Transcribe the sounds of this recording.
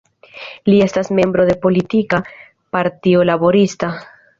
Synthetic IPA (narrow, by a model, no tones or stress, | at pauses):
lie̞stasme̞mbɾo̞d̪e̞po̞litika | paɾtio̞labo̞ɾista